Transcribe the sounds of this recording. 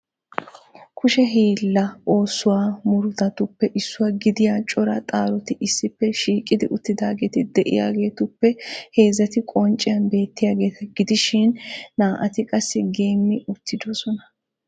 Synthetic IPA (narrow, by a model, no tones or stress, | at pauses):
kʰʊʃɛɦiːlːɐo̞ːsːʊwaːmʊɾʊt̪ɐt̪ʊpːɛʔɪsːʊwaːɡɪd̪ɪjaːt͡ʃʼɔɾɐt̪ʼaːɾɔt̪ɪʔɪsːɪpːɛʃiːkʼɪd̪ɪʔʊt̪ːɪd̪aːɡe̞ːt̪ɪd̪ɛʔɪ̰ja̰ːɡe̞ːt̪ʊpːɛhe̞ːzːɐt̪ɪkʼɔnt͡ʃʼːɪjɐnbe̞ːt̪ːɪjaːɡe̞ːt̪ɐɡɪd̪ɪʃɪnːaːʔɐt̪ɪkʼɐsːɪɡeːmːɪʔʊt̪ːɪd̪osɔnɐ